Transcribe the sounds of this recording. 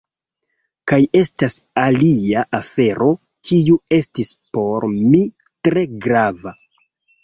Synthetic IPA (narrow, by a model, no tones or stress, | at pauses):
kaje̞stasaliaʔafe̞ɾo̞ | kʰiue̞stispo̞ɾmi | tɾe̞ɡɾava